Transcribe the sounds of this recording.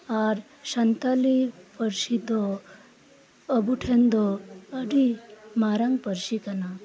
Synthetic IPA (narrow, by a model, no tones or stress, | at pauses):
aɾ | ʃɐnt̪alipəɾsid̪o | əbuʈʰend̪ɔəɖimaɾaŋɡpəɾsikɐna